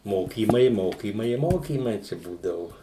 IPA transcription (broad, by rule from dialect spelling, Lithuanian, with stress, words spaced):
ˈmoːkʲiːmɐɪ ˈmoːkʲiːmɐɪ ɪ ˈmoːkʲiːmɐɪ t͡ʃʲɛ ˈbuːdɐʋʊ